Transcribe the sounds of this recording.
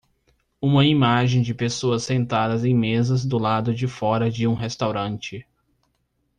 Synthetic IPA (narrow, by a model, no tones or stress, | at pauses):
ũmɐimaʒẽj̃d͡ʒɪpesoɐsːẽnt̪ad̪ɐzẽj̃mezɐzd̪ʊlad̪ʊd͡ʒɪfɔɾɐd͡ʒɪũɦest̪awɾɐ̃nt͡ʃɪ